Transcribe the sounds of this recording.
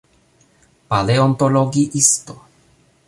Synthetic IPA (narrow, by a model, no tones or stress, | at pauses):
paleont̪oloɡiʔist̪o